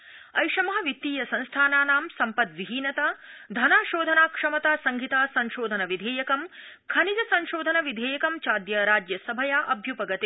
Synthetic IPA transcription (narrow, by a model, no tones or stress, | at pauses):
ɐjʃɐmɐɦɐ̆ʋit̪ːiːjɐsɐ̃nst̪ʰaːnaːnaːmsɐmpɐt̪ʋiɦiːnɐt̪ad̪ʱɐnaːʃoːd̪ʱɐnaːkʂɐmɐt̪aːsɐŋɡʱit̪aːsɐ̃ŋʃoːd̪ʱɐnɐʋid̪ʱeːjɐkɐm | kʰɐnid͡ʒɐsɐ̃nʃoːd̪ʱɐnɐʋid̪ʱeːjɐkɐmt͡ʃaːd̪jɐɾaːd͡ʒjɐsɐbʱɐjaːʔɐbʱjupɐɡɐt̪i